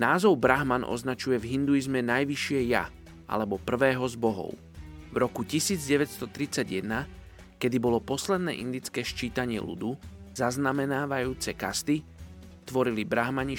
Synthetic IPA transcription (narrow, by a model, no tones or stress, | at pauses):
naːzɔʊbɾaɦmanɔ̰znat͡ʃujɛvɦind̪uizmɛnajʋiʃɪɛja̰ | ʔa̰lɛbɔpr̩ʋɛːɦɔzbɔɦɔ̰ʊ | vɾɔkucisiːd͡zɟɛʋɛtst̪ɔt̪ɾit͡saɟjɛd̪na | kɛd̪ibɔlɔpɔslɛd̪nɛ̰ːʔind̪it͡skɛːʃt͡ʃiːt̪aɲɪɛ̰lṵd̪uz̥aznamɛnaːʋajuːt͡sɛka̰st̪i | t̪ʋɔɾilibɾaɦmaɲi